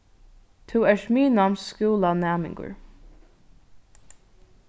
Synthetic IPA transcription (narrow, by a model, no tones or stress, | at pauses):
t̪ʰuːɛʂmiːnamnsskuːlanæːmɪ̰ŋkʊ̰ɹ